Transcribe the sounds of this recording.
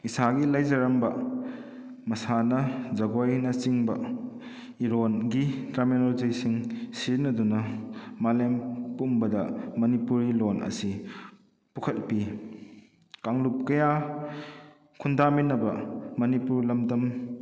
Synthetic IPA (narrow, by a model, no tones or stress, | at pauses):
isaɡilɐjzɐɾɐmbɐ | mɐsanɐzɐɡojnɐt͡ʃiŋbɐ̰ | iɾonɡitɾamenoɾd͡ʒijsiŋsiɾnɐdunɐmalempumbɐdɐmɐnipuɾilonʔɐ̰si | pukʰɐt̚pi | kaŋlup̚kɐja | kʰundaminːɐbɐ̰mɐnipuɾlɐmdɐm